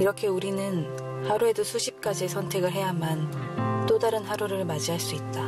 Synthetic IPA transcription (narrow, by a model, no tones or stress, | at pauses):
iɾʌkʰe̞uɾinɯn | haɾue̞dosʰuɕʰip̚k͈ad͡ʑiesʰʌntʰe̞ɡɯɭɦe̞jamant͈odaɾɯnɦaɾuɾɯɭmad͡ʑiɦaɭs͈uit̚t͈a